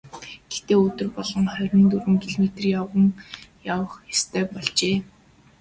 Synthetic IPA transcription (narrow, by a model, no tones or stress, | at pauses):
ɡ̥ext̪eːɵt̪ɵ̆rpɔɮɞ̆ŋχœrʲə̆nt̪uɾɘ̆ŋkʰiɮmet̪rjawʁə̆ŋjawə̆χjast̪ʰœːpɔɮt͡ɕeː